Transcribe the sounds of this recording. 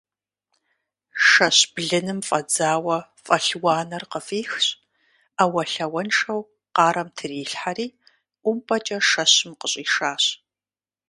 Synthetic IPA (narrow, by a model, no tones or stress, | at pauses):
ʃɐɕb̥ɮɨnɨmfʼɐd͡zaːwɐfʼɐɬwɑːnɐrqəfiːxɕʼ | awɐɬɐwɐnʂɐw | qɑːɾɐmtʰɨriːɬħaɾiː | ʔʷʊmpʰʼɐt͡ʃʼɐʃɐɕɪmqəɕʼiːʂaːɕ